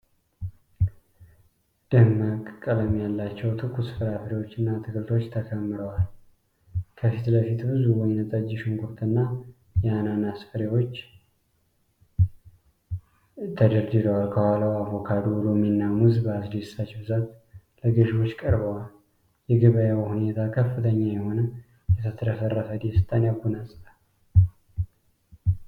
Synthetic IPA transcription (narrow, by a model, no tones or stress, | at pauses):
d̪̥əhməkʼkʼːələmjalːat͡ʃːɛwt̪ʰɨkʰusɨ̥fɨɾafəɾewo̞t͡ʃːɨnːat̪ʰɨkɨlt̪ʰo̞t͡ʃːt̪ʰəkʰəmːɨɾəwal | kʰəfit̪ləfit̪bɨzuwɔjnət̪ʼəd͡ʒɪʃɨŋɡuɾt̪ʰɨnːa | jɛananasfəɾewo̞t͡ʃː | t̪ʰəd̪əɾd̪ɨd̪əwalkʰəhaləwavo̞kʰad̪ulominːamuzbəazd̪isat͡ʃbɨzat̪ | ləɡɨʃwo̞t͡ʃːkʼəɾbəwal | jɛɡɨβəjawhune̞t̪ʰakʰəfːɨt̪ʰəɲːajɛho̞nə | jɛt̪ʰət̪ʰəɾəsərːəfəd̪esɨt̪ʼanjaɡunasʼt̪a